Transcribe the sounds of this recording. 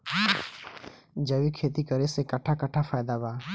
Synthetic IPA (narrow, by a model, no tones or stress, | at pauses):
d͡ʒəwikʰeːt̪ikəɾesekɐʈʰakəʈʰapʰaːjd̪abaː